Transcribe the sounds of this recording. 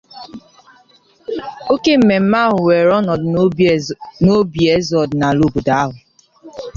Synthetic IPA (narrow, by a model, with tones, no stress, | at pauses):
o˦ke˦m̩˨me˨m̩˦ma˦ɦʊ˨we˨ɾɔ˦nɔ˨d | no˦bi˨e˦zɔ˨dna˨lo˦˨bu˨da˨a˦ɦʊ˨